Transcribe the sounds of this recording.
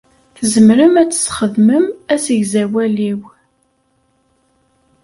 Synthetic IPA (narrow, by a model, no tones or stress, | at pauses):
θzəmɾəmæt͡sːə̥sχəðməmæsəʝzæwæliw